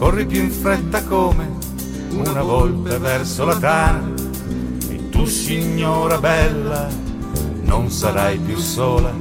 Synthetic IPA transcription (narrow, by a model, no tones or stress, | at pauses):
kɔrːipjufɾɛt̪ːakɔːme | unavɔlt̪avɛrsolat̪aːna | ḭt̪usiɲːɔːɾabɛlːa | nonsaɾajpjusːɔːla